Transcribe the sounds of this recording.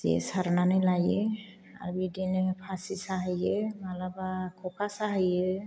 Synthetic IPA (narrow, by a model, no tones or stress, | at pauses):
zɛ̰saɾnanɛlajɛ | a̰ɾbidɛnɛpʰasisaɦɯjɛmalabakʰɔkasaɦijɛ